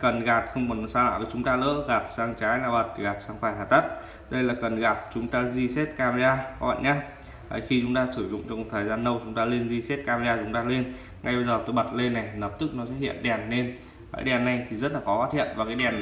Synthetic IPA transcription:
kə˨˩nɣaː˨˩t̚xə˧wŋ͡mɓɔ˨˩n˨˩saː˧la̰ː˧˨və˨˩t͡ɕʊ˨˦ŋ͡mt̪aː˧lə̰ː˧˥ɣaː˨˩t̚saː˧ŋt͡ɕaː˨˦jlaː˨˩ɓə˨˩t̚ɣaː˨˩t̚saː˧ŋfaː˧˩jɦaː˨˩t̪ə˦˥t̚ | ɗə˧jlaː˨˩kə˨˩nɣaː˨˩t̚t͡ɕʊ˨˦ŋ͡mt̪aː˧zi˧se˦˥t̚kaː˧me˧zaː˧˦ə̰˧˨jɲaː˧ | ə̰˨˩jxi˧t͡ɕʊ˨˦ŋ͡mt̪aː˧sɨ˧˩zʊ̰˧˨ŋ͡mt͡ɕɔ˧ŋ͡m̚t̪ʰːjzaː˧nːə˧wt͡ɕʊ˨˦ŋ͡mt̪aː˧le˧nzi˧se˦˥t̚kaː˧me˧aː˧t͡ɕʊ˨˦ŋ͡mt̪aː˧le˧n | ŋʔa˧jɓə˧zəː˨˩t̪o˧˦jɓə˨˩t̚le˧nːa˨˩jləː˨˩p̚t̪ɨ˦˥k̚nɔ˨˦sɛ̰˧˥hḭ˧˨ənɗɛ˨˩nːe˧n | ka̰ː˧˨˦jɗɛ˨˩nːa˨˩jt̪ʰi˨˩zə˦˥t̚laː˨˩xɔ˨˦fa˦˥t̚hḭ˧˨ənvaː˨˩kaː˨˦jɗɛ˨˩n

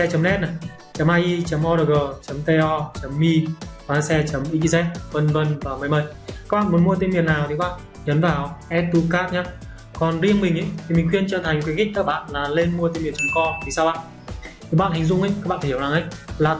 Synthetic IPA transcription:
ɛ˧t͡ɕə˨˦mnɛ˦˥t̚na˨˩ | t͡ɕə˨˦mʔaː˧ʔi˧t͡ɕə˨˦mʔɔ˧ɾəː˨˩ɣəː˨˩t͡ɕə˨˦mt̪e˧ʔɔ˧t͡ɕə˨˦mːi˧va˨˩˧sɛ˧t͡ɕə˨˦mʔi˧˥ki˧zɛ˦˥t̚və˧nvə˧nvaː˨˩məː˨˦jmə˨˩j̚kaː˦˥k̚ɓa̰ː˧˨mu˨˦ənmu˧ət̪̬e˧mvi˨˩ənːaː˨˩wt̪ʰi˨˦ɓa̰ː˧˨n | ɲə˨˦nvaː˨˩wʔɛ˦˥t̪u˧kaː˦˥p̚ɲaː˨˦˥ | kɔ˨˩nzi˧əŋmï˨˩ŋ̟ʔə˧˦jt̪ʰi˨˩mï˨˩ŋ̟xwi˧ənt͡ɕəː˨˩t̪ʰa˨˩ŋ̟kwki̟˦˥kaː˧˥k̚ɓa̰ː˧˨nlaː˨˩le˧nmu˧ət̪e˧mi˨˩ənt͡ɕə˨˦mkɔ˧t̪ʰi˨˩saː˧wɓa̰ː˧˨nʰ | i˨˩˦ɓa̰ː˧˨nhi˨˩ŋ̟zʊ˧ŋ͡mʔə˧˦ja˦˥k̚ɓa̰ː˧˨˧hi˧˩˦wzaː˨˩ŋʔə˧˦jlaː˨˩

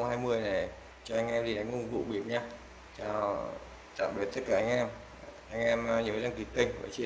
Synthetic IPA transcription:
ŋ͡mhaː˧jmɨ˧əjna˨˩j | t͡ɕɔ˧ʔa˧jŋ̟ʔɛ˧mɗi˧˩ʔa˨˦ŋ̟ʊ˧˩vṵ˧˨ɓi˨˩˦ənɲaː˧ | t͡ɕaː˧˩ | t̪a̰ː˧˨mɓi˨˩ət̪ə˦˥t̚kaː˧˩ʔa˧ŋ̟ʔɛ˧m | ʔa˧ŋ̟ʔɛ˧mɲː˧˨˦aː˧ŋki˨˦kə˧˩ŋ̟ə̰ː˧˩t͡ɕi˧

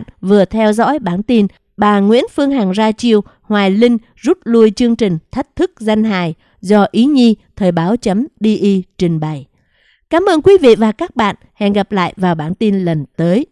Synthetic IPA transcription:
nvɨ˨˩ət̪ʰɛ˧wzɔ̰˧˥jɓaː˧˩nt̪i˧n | ɓaː˨˩ŋwḭ˧˥ənfɨ˧əŋɦaː˨˩ŋzaː˧t͡ɕi˧əw | hwaː˨˩jlï˧ŋ̟ | zu˦˥t̚lu˧əjt͡ɕɨ˧əŋt͡ɕï˨˩ŋ̟t̪ʰa˦˥jk̟̚t̪ʰɨ˦˥k̚za˧jŋ̟ɦa̰ː˧˨j | zɔ˧ʔi˨˦ɲi˧t̪ʰəː˨˩jɓaː˨˦wt͡ɕə˨˦mɗi˧ʔi˧t͡ɕï˨˩ŋ̟ɓa˨˩j | kaː˨˦mʔəː˧nkwi˨˦vḭ˧˨vaː˨˩kaː˦˥k̚ɓa̰ː˧˨nhɛ̰˧˨nɣa˨˩p̚la̰ː˧˨jvaː˨˩wɓaː˧˩nt̪i˧nlə˨˩nt̪əː˨˦j

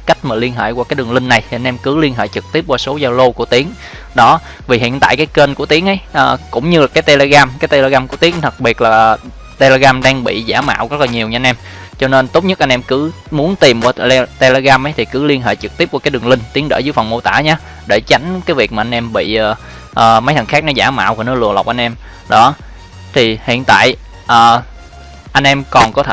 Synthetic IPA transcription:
ka˦˥jk̟̚maː˨˩li˧ənɦḛː˧˨jkwaː˧kaː˨˦jɗɨ˨˩ŋlï˧ŋ̟na˨˩jt̪ʰi˨˩ʔa˧nʔɛ˧mkɨ˨˦li˧ənɦḛː˧˨t͡ɕɨ˨˩k̚t̪i˦˥əp̚kwaː˧so˨˦zɔ˧lo˧ku˧˩ət̪i˨˦əŋ | ɗɔ˨˦ | vi˨˩ɦḭ˧˨ənt̪a̰ː˧˨kaː˨˦jke˧nku˧˩ət̪i˨˦əŋʔə˨˦jʔəː˨˩kʊ̰˧˨ŋ͡mɲɨ˧laː˨˩kaː˨˦jt̪e˧le˧ɣaː˧mkaː˨˦jt̪e˧le˧ɣaː˧mku˧˩ət̪i˨˦əŋt̪ʰə˨˩t̚ɓi˨˩ət̚laː˨˩ | t̪e˧le˧ɣaː˧mɗaː˧ŋɓḭ˧˨zaː˧˩ma̰ː˧˨wɣə˦˥t̚laː˨˩ɲi˨˩əwɲ˧a˧nʔɛ˧m | t͡ɕɔ˧ne˧nt̪o˦˥wk͡p̚ɲə˦˥ʔa˧nʔɛ˧mkɨ˨˦ | mu˨˦ənt̪i˨˩mku˧˩˧t̪e˧le˧ɣaː˧mʔə˨˦jt̪ʰi˨˩kɨ˨˦li˧ənɦḛː˧˨˩t͡ɕɨ˨˩k̚t̪i˦˥p̚ku˧˩kaː˨˦ɗɨ˨˩əŋlï˧ŋ̟t̪i˨˦əŋɗə̰˧˩zɨː˨˦əjfə˨˩wŋ͡mmo˧t̪a̰ː˧˩ɲaː˨˦ | ɗe˧˩t͡ɕa˨˦jŋ̟kaː˨˦jvi˨˩ək̚mː˨ʔa˧nʔɛ˧mɓḭ˧˨əː˨˩ | ʔəː˨˩ma˨˦jt̪ʰə˨˩ŋxaː˦˥k̚nɔ˨˦zaː˧˩ma̰ː˧˨wku˧˩nɔ˦˥lɨ̰˧˩əla̰˨˩wk͡p̚ʔa˧jnʔɛ˧m | ɗɔ˨˦ | t̪ʰi˨˩hḭ˧˨ənt̪a̰ː˧˨j | ʔəː˨˩ | ʔa˧ŋ̟ʔɛ˧mkɔ˨˩nkɔ˨˦t̪ʰ

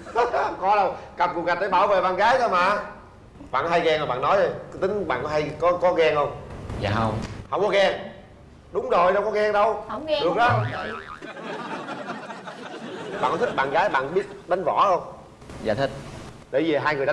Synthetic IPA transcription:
kɔ˧˦ɗə˧wka˨˩ku˨˩ŋa˨˩t̚ɗe˧˨˦ɓaː˧˩wvḛ˧˨ɓaː˧˨nɣaː˨˦jɗə˨˦maː˨˩ | ɓa̰ː˧˨kha˧jɣɛː˧ŋzo˨˩ɓaː˧˨nɔ˨˦jzo˨˩jt̪ï˨˦ŋ̟ɓa̰ː˧˨nkɔ˨˦ha˧jkɔ˨˦kɔ˨˦ɣɛ˧ŋhə˧wŋ͡ma̰ː˧˩ɦə˧wŋ͡mha˧˩wkɔ˨˦ɣɛ˧ŋ | ɗʊ˨˦ŋ͡mzo˨˩jɗə˧wkɔ˨˦ɣɛ˧ŋɗə˧wɗɨ˨˩ək̚ɗɔ˨˦˧ | ɓaː˨kɔ˦t̪i˦˥k̚ɓa̰ː˧˨nɣaː˨˦jɓa̰ː˧˨nɓi˦˥ət̚ɗa˨˦jŋ̟vɔ˧˩ə˧wŋ͡m | za̰ː˨jt̪ʰï˦˥k̚ | ɗḛ˧˩vi˨˩ɦaː˧jŋɨ˨˩j

